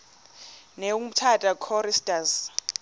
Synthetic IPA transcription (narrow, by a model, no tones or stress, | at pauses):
neum̩tʰatʼakʰɔɾistʼaz